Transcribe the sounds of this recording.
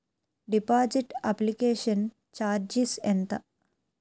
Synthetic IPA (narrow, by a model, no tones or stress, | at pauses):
ɖipaːd͡ʒiʈɐplikeːʂɐn | t͡ʃaːɾd͡ʒisent̪ɐ